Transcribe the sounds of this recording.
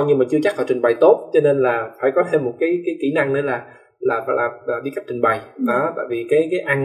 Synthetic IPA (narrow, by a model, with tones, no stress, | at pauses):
ɲi˧maː˨˩t͡ɕɨ˧ət͡ɕa˦˥k̚faː˧˩jt͡ɕi˨˩ŋ̟ɓa˨˩jt̪o˦˥t̚t͡ɕɔ˧ne˧nlaː˨˩faː˧˩jkɔ˨˦t̪ʰe˧mːo˨˩t̚kaː˨˦jkaː˨˦jki˧˩˦na˧ŋnɨ̰˧˦laː˨˩ | laː˨˩fa̰ː˧˨˦jlaː˨˩˨vi˧˥ka˦˥p̚t͡ɕï˨˩ŋ̟ɓa˨˩jɗɔ˨˦t̪a̰ː˧˨jvi˨˩kaː˨˦jkaː˨˦jʔa˧n